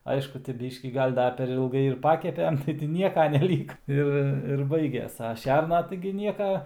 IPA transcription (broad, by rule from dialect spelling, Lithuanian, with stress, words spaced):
ˈɐɪʃkʊ tʲɪ ˈbʲiːʃʲkʲiː ˈɡɐlʲ ˈdɐ pʲɛr ɪlˠˈɡɐɪ ɪr ˈpɑːkʲɛpʲɛm tɐɪ tʲɪ ˈnʲiɛkɐ nʲɛˈlʲiːkɐ ˈɪr ɪr ˈbɐɪɡʲɛs ɐ ˈʃʲɛrnɐ tɐɪɡʲɪ ˈnʲiɛkɐ